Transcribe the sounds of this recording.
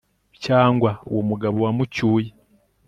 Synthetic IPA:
caːŋɡwaowomuɡaβowamucuːje

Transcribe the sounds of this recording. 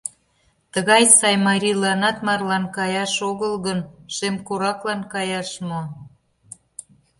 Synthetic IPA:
t̪əɣɑjsɑjmɑɾʲilɑnɑt̪mɑrlɑnkɑjɑʃoɣəlɣənʃemkoɾɑklɑnkɑjɑʃmo

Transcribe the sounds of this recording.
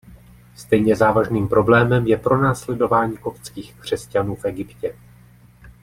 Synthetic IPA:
st̪ɛjɲɛzaːvaʒniːmpɾo̞blɛːmɛmjɛpɾo̞naːslɛdo̞vaːɲiːko̞pt͡skiːxkr̝̥ɛscanuːfʔɛɡɪpcɛ

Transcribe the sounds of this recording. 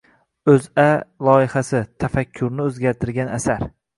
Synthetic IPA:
ɵzalˠɒɪhasɪt̪ʰafakʲʰːʊɾnɪɵzɡʲaɾt̪ʰɪɾɡʲanasaɾ

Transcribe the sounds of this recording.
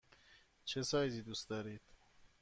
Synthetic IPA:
t͡ʃʰesɒːjziːd̪ust̪d̪ɒːɾiːd̪̥

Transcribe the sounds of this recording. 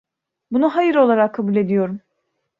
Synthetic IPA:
bunuɦajɯɾo̞lˠaɾakʰːabulʲe̞d̪ijo̞ɾum

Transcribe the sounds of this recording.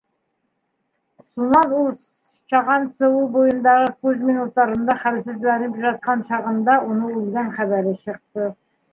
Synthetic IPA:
mʊsʊlˠmɑnulˠ | ʃɑʁɑnsowubojənd̪ɑʁəkʲʰɵzminut̪ːɑɾənd̪ɑχælsɪzlæɾɪpʒɑt̪̚qɑnʃɑʁənd̪ɑwonəɵlɡɑnχæbæɾɪʃəq̚t̪ə

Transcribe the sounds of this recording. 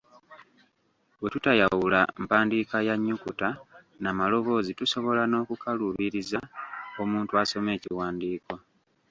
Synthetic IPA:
we̞tutajawula̰mpaːndikajaɲːukuta | namalo̞βo̞ːzituso̞βo̞lano̞ːkukʰaluβiɾizao̞muːntuaso̞me̞ːciwaːndiːkwa

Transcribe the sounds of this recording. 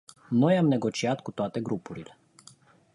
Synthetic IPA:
nɔjamnɛɡɔt͡ʃiat̪kut̪oat̪ɛɡɾupuɾilɛ

